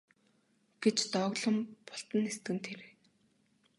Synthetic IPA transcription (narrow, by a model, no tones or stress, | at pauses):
ɡ̥et͡ɕt̪ɔɣɮə̆mpɔ̥ɬt̪ə̆nest̪ɡɘ̆nt̪ʰeɾeː